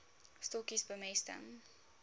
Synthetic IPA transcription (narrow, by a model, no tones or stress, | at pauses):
stɔkisbəmɛstə̰ŋ